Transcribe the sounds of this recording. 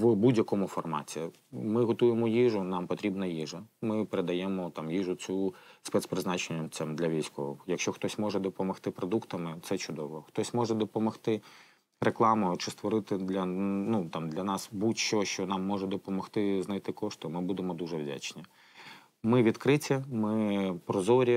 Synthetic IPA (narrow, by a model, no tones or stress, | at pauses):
ʋbudʲjɐkɔmʊfɔrmɑ̰tʲi | mɪɦɔt̪ujemɔjiʐʊnɑmpɔt̪ʲɾʲibnɐjiʐɐmɪpeɾed̪ɐjɛmɔt̪ɑmjiʐʊt͡sʲuspɛt̪spɾɪznɑt͡ʃenʲːɐmsʲɐmd̪lʲɐʋʲijsʲkɔʋɔjɐkʃt͡ʃɔxt̪ɔsʲmɔʐɛd̪ɔpɔmɔxt̪ɪpɾɔd̪ukt̪ɐmɪt̪sɛt͡ʃʊd̪ɔʋɔxt̪ɔsʲmɔʐɛd̪ɔpɔmɔxt̪ɪ | ɾeklˠɑmʊʊt͡ʃɪst̪ʋɔɾɪt̪ɪd̪lʲɐnut̪ɑmd̪lʲɐnɑsbutʲʃɔʃt͡ʃɔnɑmːɔʐɛd̪ɔpɔmɔxt̪ɪznɐjt̪ɪkɔʂt̪ʊmɪbud̪emɔd̪uʐɛwdʲa̰t͡ʃnʲi | mɪʋʲid̪kɾɪtʲɐmɪpɾɔzɔɾʲi